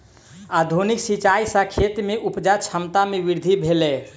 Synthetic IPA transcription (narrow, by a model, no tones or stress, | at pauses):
ad̪ʱuniksit͡ʃaisãkʰet̪meʔupd͡ʒat͡ʃʰəmt̪ameʋiɾd̪ʱibʱelɛ